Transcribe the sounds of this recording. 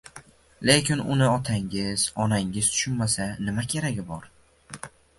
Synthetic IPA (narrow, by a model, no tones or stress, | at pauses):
le̞kʲɪnʊ̰nɪɒt̪ʰaŋɪz̥ɒnaŋɪz̥t̪ʰʊ̥ʃʊnmasanɪmakʲʰe̞ɾaɡʲɪbɒɾ